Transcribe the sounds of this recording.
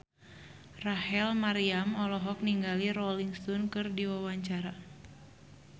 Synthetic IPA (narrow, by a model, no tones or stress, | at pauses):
rahɛlmaɾiamɔlɔɦɔk̚niŋɡalirɔliŋst̪ɔnkɨrdiwawaɲt͡ʃaɾa